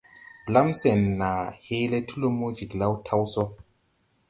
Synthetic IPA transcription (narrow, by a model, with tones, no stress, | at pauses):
bla˦mse˨nːa˨he˦le˦tʰu˦lo˦mo˦d͡ʒi˨kla˦wtʰa˦wsɔ˦